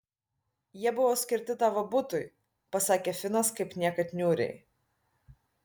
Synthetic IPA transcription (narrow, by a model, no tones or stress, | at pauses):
jiɛbʊʋoːsʲkʲɪɾʲt̪ʲɪt̪ɑːʋɐbʊt̪ʊj | pɐsɑːkʲefʲɪnɐskɐɪpnʲiɛkɐt̪ʲnʲuːɾʲɛ̰ɪ